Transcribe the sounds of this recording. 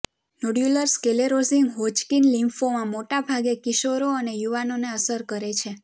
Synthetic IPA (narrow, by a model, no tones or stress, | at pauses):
noɖjuləɾskeleɾoziŋɡɦot͡ʃkinlĩmfʰomãmoʈabʱaɡekiʃoɾoənejuʋanoneəsəɾkəɾet͡ʃʰe